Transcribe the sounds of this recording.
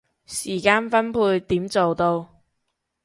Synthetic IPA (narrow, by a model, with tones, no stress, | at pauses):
siː˨˩kaː˧nfɐ˥npʰuː˧jt̪iː˨˥mt͡so˨wt̪o˧w